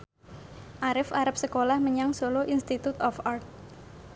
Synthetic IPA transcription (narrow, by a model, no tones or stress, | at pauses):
ʔaɾɪfaɾap̚səkolahməɲaŋsoloʔinst̪it̪ut̪ɔfart̪̚